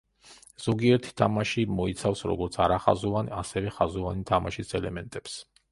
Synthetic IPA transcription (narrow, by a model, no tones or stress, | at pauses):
z̥ɔɡiɛɾt̪ʰi̥t̪ʰamaʃimɔit̪sʰafsɾɔ̰ɡɔɾt̪sʰaɾaχa̰zuvanasɛvɛχazuvanit̪ʰamaʃisɛlɛmɛnt̪ʼɛps